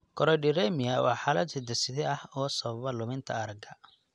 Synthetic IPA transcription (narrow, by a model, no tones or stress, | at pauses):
kʰɔɾɔɖɪɾɛmɪjɐwɑ̰ːħaːlɐd̪sɪd̪ɐsɪðɛɐhɔːsɐβɐβɐlʊmɪnt̪ʰɐ̰ɐɾɐɡɐ